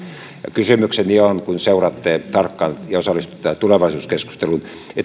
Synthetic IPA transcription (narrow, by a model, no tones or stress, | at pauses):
ɑ̰kysymyksenionkunseurɑt̪ːet̪ɑrkːɑnjɑosɑlːˑist̪u̥t̪ːɑt̪uleʋɑisuːskesku̥st̪elun | et̪